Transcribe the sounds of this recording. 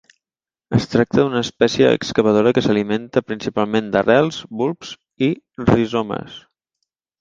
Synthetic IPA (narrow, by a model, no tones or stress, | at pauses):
əst̪ɾak̚t̪əd̪unəːspɛsiəə̰kskəβəð̞oɾəkəsəliment̪əpɾinsipalˠmend̪ərɛlˠzbulˠpz̥ | i | rizomə̰s